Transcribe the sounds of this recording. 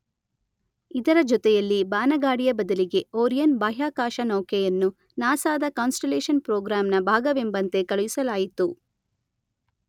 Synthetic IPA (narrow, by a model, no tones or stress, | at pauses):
id̪ɐɾɐd͡ʒɔt̪ɛjɐlːibaːnɐɡaːɽijɐbɐd̪ɐliɡe̞oːɾijɐnbaːɦjaːkaːʃɐnɐwkɛjɐnːu | naːsaːd̪ɐkaːnsʈeleːʃɐnpɾoːɡɾaːmnɐbʱaːɡɐʋembɐnt̪e̞kɐɭujisɐlaːjit̪u